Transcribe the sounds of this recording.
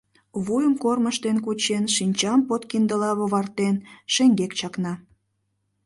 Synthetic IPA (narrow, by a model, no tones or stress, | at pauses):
βujəmkorməʃt̪enkut͡ɕenʃinʲt͡ɕɑmpot̪kind̪əlɑβoβɑrt̪enʃeŋɡekt͡ɕɑknɑ